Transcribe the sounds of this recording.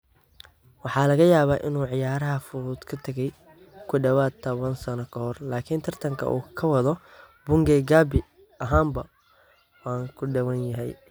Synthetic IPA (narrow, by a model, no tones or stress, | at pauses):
wɑħɑːlɐɣɐjaːβaːʔɪnuːʕɪjaːɾɐɦɐfʊɾuːd̪kʰɐt̪ʰɐɣɛj | kʰʊɖɐwaːd̪̚t̪ʰːɐβɐnsɐnɐkʰɐhɔrlaːkʰiːnt̪ʰɐrt̪ʰɐŋkʰɐ̰ʔṵːkʰɐwɐðɔ | bʊŋɡɛːɡaːbɪ | ʔɐɦaːmbɐ | wɑːŋkʰʊɖɐwɐnjɐɦɛj